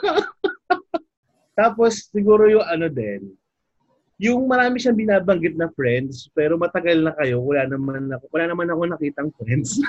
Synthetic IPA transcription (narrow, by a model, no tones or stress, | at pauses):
t̪aːpo̞sːɪɡuːɾo̞jʊŋɐno̞d̪ɛn | jʊŋmɐɾaːmɪʃɐŋbɪnaːbɐŋɡɪt̪̚nɐfɾɛnd̪spɛːɾo̞mɐt̪ɐɡɐlnɐkɐjo̞kʊlaːnɐmanɐkokʊlaːnɐmanɐko̞nɐkiːt̪ɐŋfɾɛnd̪s